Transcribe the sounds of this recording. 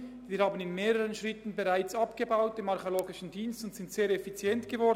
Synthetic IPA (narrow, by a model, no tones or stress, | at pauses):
viːɾhaːbənɪnmeːʁəʁənʃʁɪtn̩beʁaɪt͡sɑpɡ̥əbaʊtɪmɑʁçoloːɡɪʃn̩diːnstʊntsɪntz̥eːɾɛfit͡sjɛntɡ̥əvɔ